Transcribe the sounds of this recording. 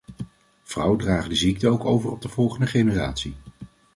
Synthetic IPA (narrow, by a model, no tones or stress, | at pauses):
v̥rʌwədraːχədəzik̚təowkowvərɔb̚dəv̥ɔlˠχəndəχejnəra̰ːtsi